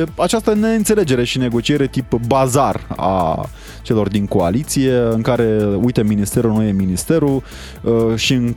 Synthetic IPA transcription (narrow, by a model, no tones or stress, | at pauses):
eat͡ʃast̪əne̞ɨnt̪se̞le̞d͡ʒe̞ɾe̞ʃine̞ɡo̞t͡ʃie̞ɾe̞t̪ipbazara̰ | t͡ʃe̞lo̞rd̪iŋko̞a̰lit̪sije̞ɨŋkaɾe̞ujt̪eminist̪e̞ɾunuje̞minist̪e̞ɾu | ʃiɨŋ